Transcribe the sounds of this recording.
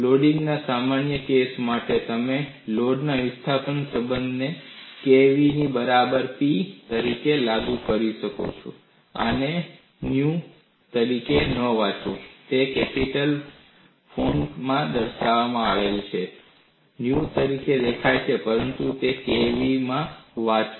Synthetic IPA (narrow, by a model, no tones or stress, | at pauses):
loɖĩŋɡnasamanjəkesmaʈet̪əme | loɖnaʋɪst̪ʰapənsəbənd̪ʱnekeʋinibəɾabəɾpit̪əɾikelaɡukəɾiʃəko̰t͡ʃʰo̰ | ə̰ne | nju | t̪əɾikenəʋãt͡ʃũt̪ekɛpiʈəl | pʰoɳmãd̪əɾʃaʋamãaʋelt͡ʃʰe | njut̪əɾiked̪ekʰajt͡ʃʰepəɾənt̪ut̪ekeʋimãʋat͡ʃ